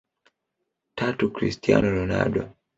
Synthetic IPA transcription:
tʰatukɾḭstianɔlɔnaɗwɔ

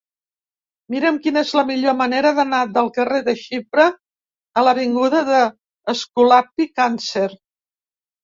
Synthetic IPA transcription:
miɾəmkinəezləmiʎoməneɾəðənad̪əlˠkəreðəʃipɾəː | ləβiŋɡuðəðəː | skulapikanseɾ

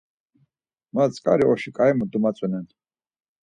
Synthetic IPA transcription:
mat͡sʼkʼa̰ɾiɔʃikʼajmud̪umat͡sʼɛnɛn

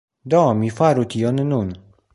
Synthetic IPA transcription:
d̪ɔmifaɾut̪ijɔnənun

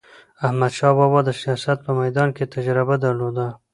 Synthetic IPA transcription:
ahmad̪ʃɑbɑbɑd̪əsijɑsat̪̚pəmajd̪ɑnket̪ad͡ʒɾɪbad̪aɾlod̪a

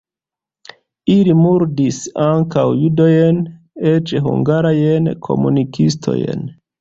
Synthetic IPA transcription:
ilimuɾdisaŋkawjudojen | et͡ʃeɦṵŋɡaɾajenkʰo̞̰mṵnikʰistʰo̞̰jḛn

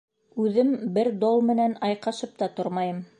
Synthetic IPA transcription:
ʉðɘmbɘɾd̪olˠmɘ̆nænɑjqɑʃɤp̚t̪ɑt̪oɾmɑjɤm

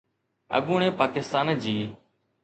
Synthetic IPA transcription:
ə̰ɠuːɳẽːpaːkɪst̪aːnd͡ʑiː

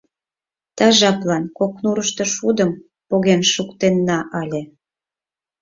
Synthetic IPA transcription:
t̪ɑʒɑplɑnkoknuɾəʃt̪ŏʃud̪əm | poɣenʃukt̪enːɑʔɑlʲe

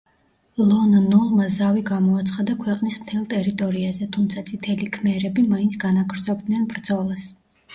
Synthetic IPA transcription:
lˠɔnnɔlˠmazaviɡamɔat̪sʰχad̪akʰwɛqʼnismt̪ʰɛlˠt̪ʼɛɾit̪ʼɔɾiazɛt̪ʰumt̪sʰat̪sʼit̪ʰɛlikʰmɛɾɛbimaint̪sʰɡ̥anaɡɾd̪zɔbd̪nɛnbɾd̪zɔlˠas

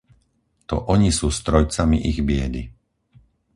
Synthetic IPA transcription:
t̪ɔ̰ʔɔɲisuːst̪ɾɔjt͡samiʔiɣbɪɛd̪i

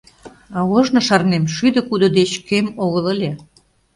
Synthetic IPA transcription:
ɑoʒnŏʃɑrnemʃyd̪ə̆kud̪ŏd̪et͡ɕkemoɣələlʲe

